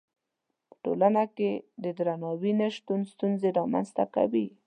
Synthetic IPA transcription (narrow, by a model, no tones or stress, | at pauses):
pə̥ʈolanaked̪əd̪ɾanɑwineʃt̪unst̪unzeɾɑma̰nzt̪aka̰wi